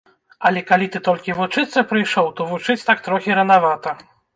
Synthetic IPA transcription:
ɐlʲɛkalʲit̪ɨt̪ɔlʲkʲivut͡ʂɨt̪sːɐpɾɨjʂɔwt̪ɔvut͡ʂɨt͡sʲt̪ak̚t̪ɾɔxʲiɾɐnavat̪ɐ

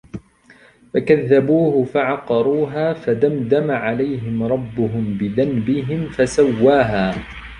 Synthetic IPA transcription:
fakaðːabuːhʊfaʕɑqɑɾˤuːɦaːfad̪amd̪amaʕalajɦɪmɾˤɑbːʊɦʊmbɪðanbɪɦɪmfasawːaːɦaː

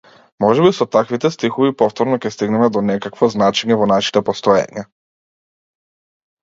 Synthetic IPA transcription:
mɔʒɛbisɔt̪akvit̪ɛst̪ixɔvipɔft̪ɔɾnɔkʲɛst̪iɡnɛmɛd̪ɔnɛkakvɔznat͡ʃɛɲɛvɔnaʃi̥t̪ɛpɔst̪ɔja̰ɲa

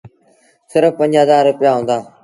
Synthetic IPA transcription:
sɪɾəfpə̃ɲd͡ʒɦəzaːɾːʊpɪjaːɦʊ̃ːnd̪aː

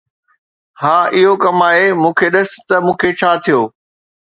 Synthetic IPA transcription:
haːʔɪɦokɐmaːɦemũːkʰeɗɐs̆t̪ɐmũːkʰet͡ɕʰaːt̪ʰijoː

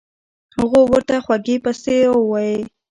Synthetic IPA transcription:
hʊɣowəɾt̪axwaɡepaseawwaje

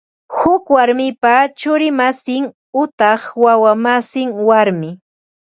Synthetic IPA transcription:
hʊkwaɾmɪpat͡ʃʊɾɪmasɪŋ | ʊt̪ɑχwawamasɪŋwaɾmɪ

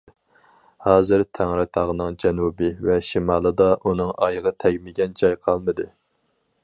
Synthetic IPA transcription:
hɑːzɨɾt̪ʰæŋɾɪt̪ʰɑʁənɨŋd͡ʒɛnubɪvɛʃimɑːlˠɨd̪ɑʔunɨŋɑjʁɑt̪ʰɛɡʲmɪɡʲɛnd͡ʒɑjqʰɑlˠmɨd̪ɨ

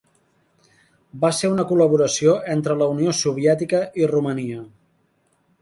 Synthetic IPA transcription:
baseunəkuləβ̞uɾəsioent̪ɾələuniosuβ̞iɛt̪ikəʔiruməniə

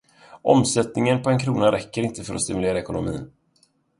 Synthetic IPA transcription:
ʔɔ̰msɛt̪nɪŋənpʰɔɛnkʰɾuːnaɾɛkːəɾɪnt̪əfœɾɔ̰st̪ɪmɵleːɾaɛkʊnʊmḭːn

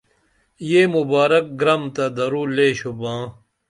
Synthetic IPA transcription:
jeːmubaːɾɐk̚ɡɾɐmt̪ɐd̪ɐɾuːleːɕubãː

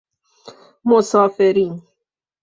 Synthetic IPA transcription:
mosafeɾin

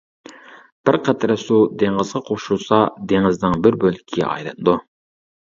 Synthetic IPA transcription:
b̥ɪɾqʰɛt̪ʰɾɛsud̪eŋʁəzʁɑqʰoʃusɑd̪eŋɨznɨŋbɪɾbølʲkʲʰiɡʲɛ̰ʔɑ̰jlˠɨnɨd̪u

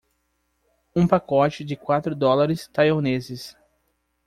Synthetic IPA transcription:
ũpakɔt͡ʃɪd͡ʒɪkwat̪ɾʊd̪ɔlaɾɪst̪ajonezɪs

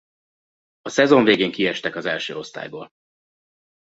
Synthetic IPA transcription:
ɒsɛzo̞ɱveːɡeːŋkiɛʃt̪ɛkɒzɛlʃøːo̞st̪a̰ːjbo̰ːl

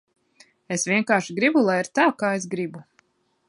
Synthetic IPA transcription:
esvʲiɛŋkaːɾʃiɡɾibulˠajiɾt̪aːkaːes̬ɡɾibu

